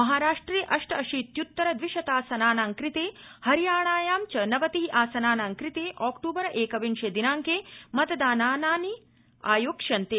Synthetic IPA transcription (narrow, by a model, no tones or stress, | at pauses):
mɐɦaːɾaːʂʈɾeːʔɐʂʈɾɐɐʃiːt̪jut̪ːɐɾɐd̪ʋiʃɐt̪aːsɐnaːnaːŋkɾit̪eːhɐɾijaːɳaːjaːmt͡ʃɐnɐʋɐt̪iɦiʔaːsɐnaːnaːŋkɾit̪eːʔaːkʈuːbɐɾɐʔeːkɐʋinʃeːd̪inaːŋkeːmɐt̪ɐd̪aːnaːnaːni | aːjoːkʂɐnt̪eː